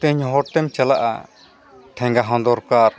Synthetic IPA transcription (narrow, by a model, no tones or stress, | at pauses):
t̪ɛɲɦɔɾt̪ɛmt͡ʃalaʔa̰ | ʈʰɛ̃ŋɡaɦɔ̃nd̪ɔɾkaɾ